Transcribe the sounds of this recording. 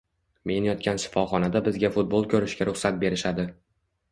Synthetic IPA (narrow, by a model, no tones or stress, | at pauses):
me̞njɒt̪̚kʲanʃɪ̥fɒχɒnad̪abɪzɡʲafʊt̪̚bolˠkʰʲɵɾɪʃɡʲaɾʊχsat̪̚be̞ɾɪʃad̪ɪ